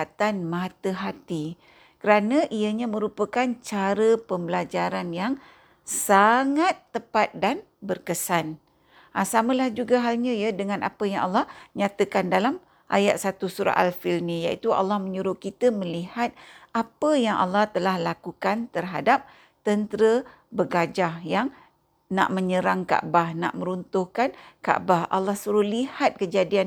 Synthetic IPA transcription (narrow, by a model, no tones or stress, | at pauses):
t̪anmãt̪əɦat̪i | kəɾanə̃ʔiəɲamə̃ɾupəkant͡ʃaɾəpəmbəlad͡ʒaɾanjaŋ | saŋat̪ːəpat̪̚dan | bərkəsan | ʔasamə̃lahd͡ʒuɡaɦalɲãjadəŋãnʔa̰pəjaŋa̰lːahɲat̪əkandalam | ʔa̰ja̰ʔ̪̚sat̪usuɾa̰ʔalfilnĩja̰ʔit̪ua̰lːahmə̃ɲuɾʊkit̪əmə̃lihat̪̚apəjaŋʔa̰lːaht̪əlahlakukant̪ərɦadap̚ | t̪ənt̪əɾə | bəɡad͡ʒahjaŋ | na̰ʔmə̃ɲəɾaŋka̰ʔbahna̰ʔmə̃ɾunt̪ʊhkanka̰ʔbaha̰lːahsuɾʊhlihat̪̚kəd͡ʒadian